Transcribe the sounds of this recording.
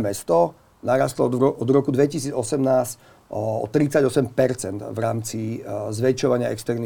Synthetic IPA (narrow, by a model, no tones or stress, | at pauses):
mɛst̪ɔ | naɾast̪lɔɔd̪ɾɔkud̪ʋɛcisiːd͡zɔsɛmnaːsc | ɔ̰t̪ɾit͡saɟɔsɛmpɛɾt͡sɛnd̪vɾaːmt͡sizʋɛt͡ʃɔʋaɲɪaɛ̰kst̪ɛɾni